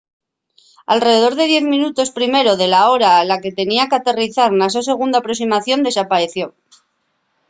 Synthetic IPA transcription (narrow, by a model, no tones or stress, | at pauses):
a̰lre̞ðe̞ð̞o̞ɾð̞e̞ð̞je̞θmĩnut̪o̞spɾime̞ɾo̞ðe̞lao̞ɾaːlake̞t̪e̞niakat̪e̞riθaɾnas̬ose̞ɣ̞und̪apɾo̞ksimaθjo̞nd̪e̞sapaɾe̞θjo̞